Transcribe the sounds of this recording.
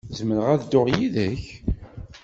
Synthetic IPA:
zəməɾəʁæðd̪ʊʁjiðəç

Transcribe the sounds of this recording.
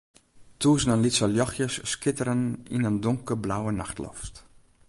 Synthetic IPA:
tuːsnənlitsəljɔxjəsːkɪtəɾəninəndʊŋkəblawənaxtlɔ̰ft

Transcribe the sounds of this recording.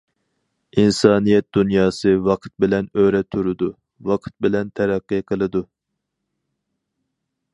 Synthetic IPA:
insɑːnijɛt̪̚d̪̥unjɑːsɨwɑqʰɨ̥t̪̚bɪlɛnøɾɛt̪ʰːuɾɨd̪u | wɑqʰɨ̥t̪̚bɪlɛnt̪ʰɛɾɛqːɨqʰəlˠɨd̪u

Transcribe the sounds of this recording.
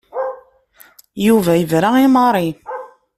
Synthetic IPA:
juvæjəvɾaimɑɾˤi

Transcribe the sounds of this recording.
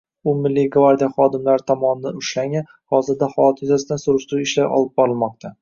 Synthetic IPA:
ʊmɪlːiɡvaɾd̪ijaχɒd̪ɪmlaɾɪt̪ʰɒmɒnɪd̪anʊʃlaŋa | hɒzɪɾd̪ahɒlt̪ʰɪjzasɪd̪ansʊɾɪʃt̪ɾuɪʃlajʔɒ̰lˠɪp̚bɒɾɪlˠmɒq̚t̪ʰa

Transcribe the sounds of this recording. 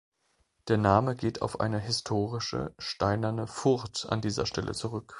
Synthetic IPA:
d̥eːɐnaːməɡeːtʰa̰ʊfʔa̰ɪnəɦɪstʰoːʁɪʃə̰ʃtaɪnɐnəfʊʁta̰ndiːzɐ̰ʃtʰɛlʔə̰t͡suʁʏk

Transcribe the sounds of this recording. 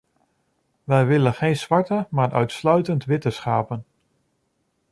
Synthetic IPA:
ʋɛjʋɪlənχejnz̥ʋɑɹtəmaːɹʔœ̰ɥtslœɥtəntʋɪtəsχaːpən

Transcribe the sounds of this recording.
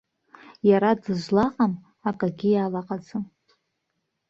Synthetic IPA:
jaɾadɨʒʷlaqʼam | akʼaɡʲɪjalaqʼad͡zɨm

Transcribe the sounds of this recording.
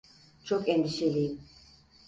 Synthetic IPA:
t͡ʃʰɔkʼɛnd̪iʃɛli

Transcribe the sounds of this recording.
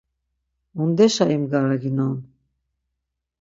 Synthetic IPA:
und̪ɛʃaimɡaɾaɡinan

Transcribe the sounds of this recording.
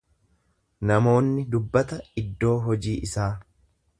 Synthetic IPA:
nɐmo̞ːnːɪd̪ʊbːɐt̪ɐɪd̪ːo̞ːɦɔd͡ʒiːʔɪsaː

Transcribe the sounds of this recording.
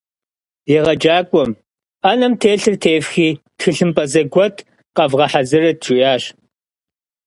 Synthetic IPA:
jɛʁɐd͡ʒaːkʷʼɔm | anɐmtʰeːɬɨrtʰeːfxiː | txɨɬɨmpʼɐzɐɡʷɔtʰ | qɐvʁɐħazɨrɐtt͡ʃʰujaːɕ

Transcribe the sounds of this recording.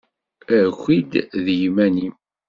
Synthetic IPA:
əxʷid̪ðjmænim

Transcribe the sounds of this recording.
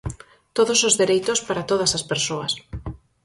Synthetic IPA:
t̪oðosozðeɾejt̪ʊspaɾat̪oð̞ɐsaspeɾsoɐs

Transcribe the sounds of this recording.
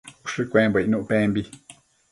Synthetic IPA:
uʂɨkʷẽːmbʷnũʔpẽːmbi

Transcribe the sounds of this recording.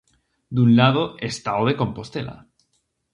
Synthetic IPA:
d̪unlað̞oest̪aoð̞e̞ko̞mpo̞st̪e̞la̰

